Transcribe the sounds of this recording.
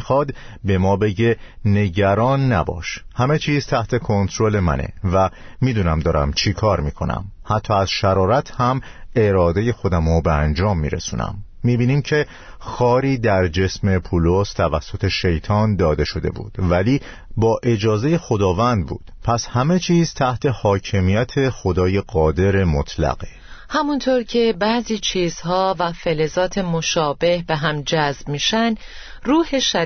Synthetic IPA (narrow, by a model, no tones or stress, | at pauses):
ixɒːd̪be̞mɒːbe̞ɟe̞ne̞ɟæɾɒːnːæbɒ̰ːʃhæme̞t͡ʃʰiːzt̪ʰæht̪ʰe̞kʰo̞nt̪ʰɾo̞le̞mæ̰nḛvæ | miːd̪uːnæmd̪ɒːɾæ̰mt͡ʃʰikʰɒːɾmiːkʰonæ̰mhæt̪ʰːɒːæzʃæɾɒːɾæt̪ʰhæme̞ɾɒːd̪e̞je̞xo̞d̪æmobeænd͡ʒɒːmːiːɾe̞̰sṵːnæ̰mːiːbiːniːmcʰe̞ | xɒːɾiːd̪æɾd͡ʒe̞sme̞pʰuːlost̪ʰævæsːo̞t̪ʰe̞ʃe̞jt̪ʰɒːnd̪ɒːd̪e̞ʃo̞d̪e̞̰bṵːd̪̥væliː | bɒːʔe̞d͡ʒɒːze̞je̞xo̞d̪ɒːvænd̪̚bṵːd̪̥pʰæshæme̞t͡ʃʰiːzt̪ʰæht̪ʰe̞hɒːcʰe̞mijæt̪ʰe̞xo̞d̪ɒːje̞ɢɒːd̪e̞ɾe̞mot̪ʰlæ̰ɣe | hæmunt̪ʰoɾcʰe̞bæziːt͡ʃʰiːz̥hɒːvæfelezɒːt̪ʰemo̞ʃɒːbe̞hbe̞ɦæmd͡ʒæzbmiːʃænd̪ | ruːheʃæ